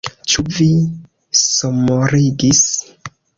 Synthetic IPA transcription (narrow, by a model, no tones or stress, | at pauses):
t͡ʃuvi | somoɾiɡis